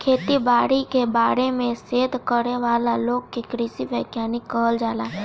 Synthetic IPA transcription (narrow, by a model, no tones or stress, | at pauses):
kʰeːt̪ibaːɾikebaːɾemẽseːd̪kəɾeʋaːlaloːɡkekɾɪsiʋɛːkjaːnɪkːəɦəld͡ʒaːlaː